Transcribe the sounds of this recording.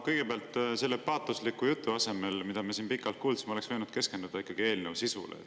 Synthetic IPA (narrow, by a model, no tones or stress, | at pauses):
kɤjɡ̥e̞peɑlt̪ːˑse̞lːepɑːt̪ːˑuslikːujut̪ːˑuɑse̞me̞lmid̪ɑmesiːnpikːˑɑlt̪̚kuːld̪smole̞ksvɤjnud̪̥ke̞ske̞nd̪̥ud̪̥ɑikːˑɑɡ̥ie̞ːlnewsisṵlḛ